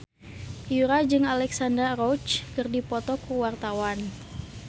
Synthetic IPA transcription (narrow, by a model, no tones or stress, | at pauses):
juɾad͡ʒɨŋalɛksandərrɔt͡ʃkɨrdipɔt̪ɔkuwart̪awan